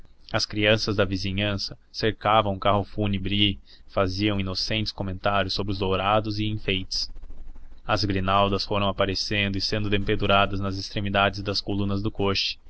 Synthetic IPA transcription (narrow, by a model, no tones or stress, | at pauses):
ɐskɾiɐ̃sɐzd̪ɐvizĩɲɐ̃sɐseɾkavɐ̃w̃ʊkaɦʊfunibɾifaziɐ̃w̃inosẽnt͡ʃɪ̥skomẽnt̪aɾjʊsːobɾɪʊzd̪owɾad̪ʊzɪĩfejt͡ʃ̪ɪ̥s | ɐzɡɾinawd̪ɐsfoɾɐ̃w̃apaɾesẽnd̪ʊɪsẽnd̪ʊd̪ẽmped̪uɾad̪ɐznɐzɪst̪ɾemid̪ad͡ʒɪzd̪ɐskolũnɐzd̪ʊkoʃɪ̥